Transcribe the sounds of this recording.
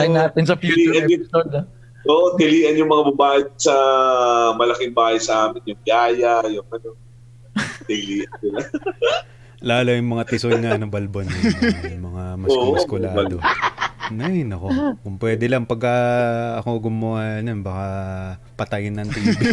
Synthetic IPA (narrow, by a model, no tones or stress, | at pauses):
ɐjnaːt̪ɪnsɐpjuiːʔɐnʊson | oːʔot̪ɪliːʔɐnjʊŋmɐŋabɐbaːʔɪsɐ | mɐlɐkɪŋbaːhɐjsɐʔaːmɪnjʊŋbjaːjɐjʊŋɐno | t̪ɪliːʔɐnsɪla | laːlojʊŋmɐŋat̪ɪsojŋanobɐlbonojʊŋmɐŋamɐoːkolaːd̪onɐjnɐkokʊŋpwɛːd̪ɛlɐŋpɐɡ̚kɐɐko̞ɡʊmɐwajɐnonbaka | pɐt̪ɐjɪnːɐnt̪iːb